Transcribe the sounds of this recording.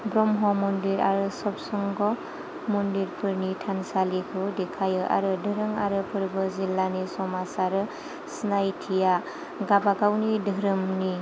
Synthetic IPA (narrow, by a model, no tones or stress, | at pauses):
bɾɔmɦɔmɔndiɾa̰ɾɯsɔp̚sɔŋɡɔ | mɔndiɾpʰɯɾnitʰansalikʰɯdekʰajɯʔa̰ɾɯdɯɾɯŋa̰ɾɯpʰɯɾbɯzilːanisɔmasaɾɯ | snajtʰija | ɡabakawnidɯɾɯmni